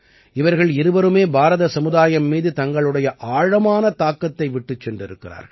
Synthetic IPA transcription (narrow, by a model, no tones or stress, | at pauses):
ɪʋɐɾɣɐɭɪɾɯʋɐɾɯmeːbʱaːɾɐðɐsɐmɯðaːjɐmːiːðɯt̪ɐŋɡɐɭɯɽɐjɐʔaːɻɐmaːnɐt̪aːkːɐt̪ːɐɪʋɪʈːɯt͡ʃsɛndrɪɾɯkːɪra̰ːɾ